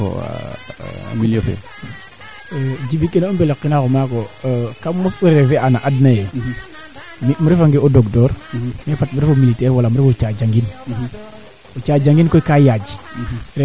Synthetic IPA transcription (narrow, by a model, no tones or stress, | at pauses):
o̰ | a̰milofḛ | d͡ʒibikːenaumbeleqːinakomakokamusuɾefeʔanaʔadnajo | mimuɾefaŋɡeodoɡdɔɾmefatmuɾefomilitɛɾwalamuɾɛfot͡ʃad͡ʒaŋɡin | ot͡ʃad͡ʒaŋɡinkojkajad͡ʒi̥ɾ